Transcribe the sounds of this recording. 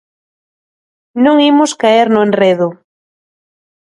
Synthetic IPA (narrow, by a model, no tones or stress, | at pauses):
nõŋimʊskaeɾnʊenreðʊ